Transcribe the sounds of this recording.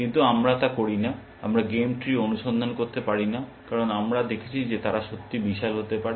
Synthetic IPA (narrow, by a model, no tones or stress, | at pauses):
kint̪uamɾat̪akoɾina | a̰mɾaɡemʈɾionuʃond̪ʱonkoɾt̪epaɾinakaɾonamɾad̪ekʰet͡ɕʰid͡ʑet̪aɾaʃot̪ːibiʃalɦot̪epaɾe